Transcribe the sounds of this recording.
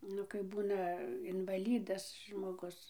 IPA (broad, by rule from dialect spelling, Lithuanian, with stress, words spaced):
ˈnʊ kɐɪp ˈbuːnɐ ɪnʋɐˈlʲiːdɐs ʒmoːˈɡʊs